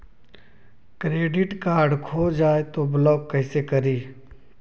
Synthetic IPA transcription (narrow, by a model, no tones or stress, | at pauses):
kɾeːɖɪʈkaːɖkʰoːd͡ʒaːet̪oblɔːkːɛɪsekɐɾiː